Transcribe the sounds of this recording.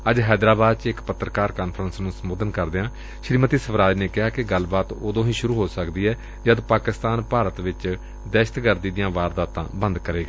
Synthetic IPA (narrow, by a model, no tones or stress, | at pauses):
əd͡ʒɦɛːd̪ɾaːbaːd̪t͡ʃɪkpət̪ːɾəkaːɾkaːnpʰɾənsnũːsəmoːd̪ənkəɾd̪eãː | ʃɾiːmət̪iːsəbɾaːd͡ʒneːkɪɦaːkɪɡəlbaːt̪oːd̪õːɦĩːʃʊɾuːɦoːsəkd̪iːɛː | d͡ʒəd̪paːkɪst̪aːnpaːɾət̪ʋɪt͡ʃ | d̪ɛːʃə̥t̪ɡəɾd̪iːd̪ɪjãːʋaːɾd̪aːt̪ã̰ːbə̃nd̪kəɾeːɡaː